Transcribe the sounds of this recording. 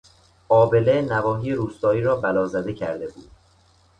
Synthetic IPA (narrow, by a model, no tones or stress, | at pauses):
ʔɒːbe̞le̞nævɒːɦijeɾuːst̪ɒːiːɾɒːbælɒːzæd̪e̞cʰæ̰ɾd̪e̞buːd̪̥